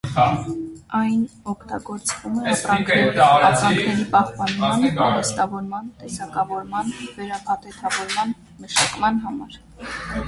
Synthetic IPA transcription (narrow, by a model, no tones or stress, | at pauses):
ɑjnɔkʰt̪ɑɡɔɾt͡svumɛɑprɑŋkʰɛɾɑɾɑŋkʰnɛɾipɑhpɑnmɑnt̪ɛst̪ɑvɔɾmɑnt̪ɛsɑkɑvɔɾmɑnvɛɾɑpʰɑt̪ʰɛt̪ʰɑvɔɾmɑn | məʃɑkmɑnɦɑmɑɾ